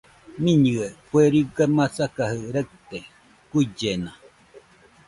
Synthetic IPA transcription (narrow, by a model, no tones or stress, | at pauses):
mĩɲɨekueɾiɡamasakahɯɾək̚t̪e | kuid͡ʒena